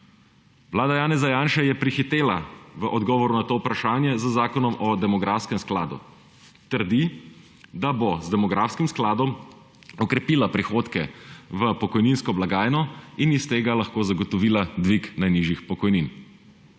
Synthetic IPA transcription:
ʋlaːd̪ajaːnɛzajaːnʃajɛpɾixit̪eːlaʋəʔɔd̪ɡɔːʋɔɾunat̪oːupɾaʃaːnjɛzəzaːkɔnɔmɔd̪ɛmɔɡɾaːfskɛmsklaːd̪ṵ | t̪əɾd̪i | d̪abozd̪ɛmɔɡɾaːfskimsklaːd̪ɔm | ɔkɾɛpiːlapɾixoːt̪kɛʋəpɔkɔjninskɔblaɡaːjnɔinist̪eːɡalaxkoːzaɡɔt̪ɔʋiːlad̪ʋiknajniʒjixpɔkɔjnin

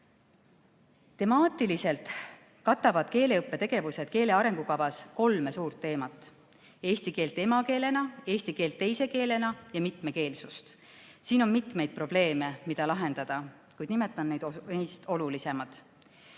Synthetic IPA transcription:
t̪e̞mɑːt̪ːˑilise̞lt̪ˑ | kɑt̪ːˑɑvɑd̪̥̚ke̞ːle̞ɯpːe̞t̪e̞ɡ̥e̞vuse̞d̪̥ke̞ːle̞ɑɾe̞ŋɡ̥ukɑvɑsko̞lme̞suːrt̪ːe̞ːmɑt̪ːˑ | e̞ːst̪ike̞ːlt̪ːˑe̞mɑke̞ːle̞nɑe̞ːsʲt̪ike̞ːlt̪ːe̞jse̞ke̞ːle̞nɑjɑmit̪meke̞ːlsust̪ | siːno̞nmit̪me̞jd̪̚pro̞b̥le̞ːme̞mid̪̥ɑlɑɦe̞nd̪̥ɑd̪̥ɑ | kujd̪̥nimet̪ːˑɑnnejd̪ejst̪o̞lulise̞mɑt̪

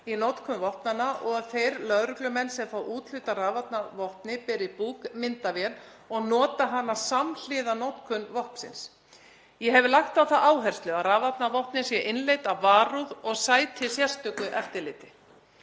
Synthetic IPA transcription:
inɔt̪kʰʏnvɔhpnanaʔɔɣaðθejɾlœðɾʏklʏmɛnːsɛmfaːwʔuːt̪l̥ʏt̪araːvat̪navɔhpnɪpɛɾipuːkmɪnt̪avjɛn | ɔɣnɔːt̪aɦanːasaml̥ɪːðanɔt̪kʰʏnvɔhpsɪ̰ns | jɛɦɛvɪlaxt̪awθaʔaːwɦɛr̥st̪lʏaraːvat̪̚navɔhpnɪsjɛʔɪnlejt̪avaːɾuðɔɣsaːjt̪ʰɪsjɛr̥st̪ʏkʏʔɛft̪ɪɾlɪːt̪ɪ

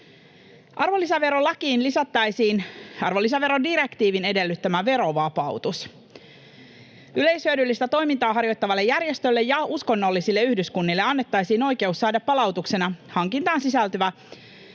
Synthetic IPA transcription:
ʔɑrʋo̞lːisæʋe̞ɾo̞lɑkiːnlisɑt̪ːɑjsiːnɑrʋo̞lːis̬æʋe̞ɾo̞diɾe̞kt̪iːʋine̞de̞lːyt̪ːæmæʋe̞ɾo̞ʋɑpɑwt̪us | yle̞jshyøːdylːist̪æt̪o̞jmint̪ɑːɦɑrjo̞jt̪ːɑʋɑlːejːærjest̪ø̞lːe̞jɑusko̞nːo̞lːisilːe̞yhdyskunːilːeɑnːe̞t̪ːɑjsiːno̞jk̟e̞usːɑːdɑpːɑlɑwt̪ukse̞nɑhɑŋkint̪ɑːnsisælt̪øæ

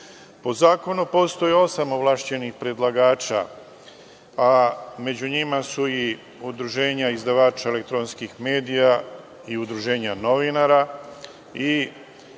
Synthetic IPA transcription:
po̞zaːko̞nupo̞st̪o̞jeo̞samoʋlˠaʃt͡ɕe̞nixpɾed̪lˠaɡaːt͡ʃa̰ | ame̞d͡ʑuɲimasui | ud̪ɾuʒe̞ːɲaizd̪aʋaːt͡ʃaele̞k̚t̪ɾo̞nskixme̞ːd̪ija | iud̪ɾuʒe̞ːɲano̞ʋinaɾa | i

